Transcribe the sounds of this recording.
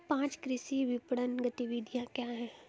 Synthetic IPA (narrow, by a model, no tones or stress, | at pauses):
pãːt͡ʃkɾɪsiʋɪpɽənɡɐt̪iʋid̪ʱjãkjaːɦɛː